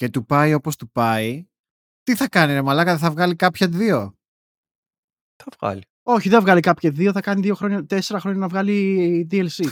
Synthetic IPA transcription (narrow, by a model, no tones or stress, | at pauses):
ce̞t̪upɐio̞post̪upɐi | t̪iθɐkɐninemɐlɐkɐðeθɐvɣɐlikɐpçɐðio̞ | θɐvɣɐ̰li | o̞çiðevɣɐlikɐpçɐðio̞θɐkɐniðio̞xɾo̞ɲɐt̪e̞se̞ɾɐxɾo̞ɲɐnɐvɣɐlid̪ielsi